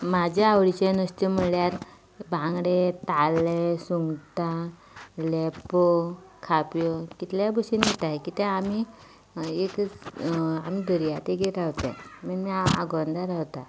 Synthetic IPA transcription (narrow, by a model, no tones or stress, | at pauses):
mad͡ʑaaʋɽit͡ɕenəst̪em̤əljaɾ | bʱãŋɡɽet̪alesuŋɡt̪a | lɛpokʰapjokit̪ljabəsinet̪aɦekiːt̪ɛ̃ami | ekət͡samid̪əɾijat̪eɡeɾaɦt̪ɛ̰̃məɳmiaa̰ɡɔnd̪aɾawt̪a